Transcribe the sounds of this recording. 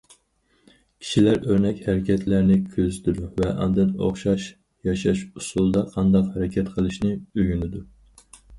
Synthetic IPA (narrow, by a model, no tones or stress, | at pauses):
kʲʰi̥ʃilæɾøɾnɛkʲhæɾɪkʲʰɛt̪ʰlæɾnɪkʲʰøzyd̪d̪uvɛʔɑ̰nd̪ɨno̰χʃɑʃ | jɑʃɑʃusulˠd̪ɑqʰɑnd̪ɑqhæɾɛkʲʰɛt̪qʰəlˠɨʃnɪøɡʲynɪd̪u